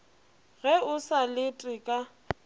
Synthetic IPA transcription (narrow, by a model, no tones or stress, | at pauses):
ɣɛʊsalɪtʼɪkʼa